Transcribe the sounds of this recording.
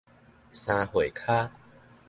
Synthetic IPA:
sã˧hwe˨˩˨kʰa˦

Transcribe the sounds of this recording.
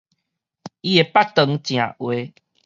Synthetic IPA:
i˦e˨˩pa˦k̚t̪ə˧ŋt͡ɕj̃ã̰˨ʔwe˧˦

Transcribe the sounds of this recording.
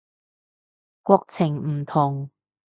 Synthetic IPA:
kwɔ˧k̚t͡sʰɪ˨˩ŋm̩˨˩t̪ʰʊ˨˩ŋ

